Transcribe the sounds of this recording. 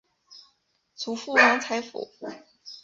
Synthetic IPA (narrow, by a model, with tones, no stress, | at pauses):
t͡sʰu˧˥fu˥˩wa˧˥ŋt͡sʰa˧˥ɪfṵ˨˩˦